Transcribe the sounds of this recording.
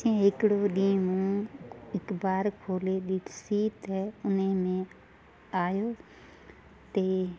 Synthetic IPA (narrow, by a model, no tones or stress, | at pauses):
ẽːɦɪkɽoːɗĩːmũːɪkbaːɾkʰoːleːɗiːʈʰsiːt̪ɛʊnẽːmẽː | aːjoː | t̪eː